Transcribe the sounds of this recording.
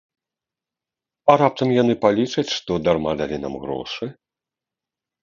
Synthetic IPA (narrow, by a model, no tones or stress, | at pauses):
ɐɾap̚t̪ɐmjanɨpalʲit͡ʂɐt͡sʲʂt̪ɔd̪armad̪alʲina̰mɣɾɔ̰ʂɨ